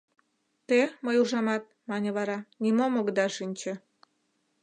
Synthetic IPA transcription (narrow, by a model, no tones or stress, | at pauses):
t̪eməjuʒɑmɑt̪̚mɑnʲə̆βɑɾɑnimomoɡəd̪ɑʃinʲt͡ɕĕ